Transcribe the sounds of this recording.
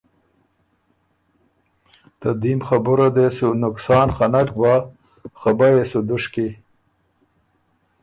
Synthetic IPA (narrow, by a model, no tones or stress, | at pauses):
t̪ad̪imxabuɾad̪esunʊksɑːnxanak̚ba | xabajesud̪ʊʂki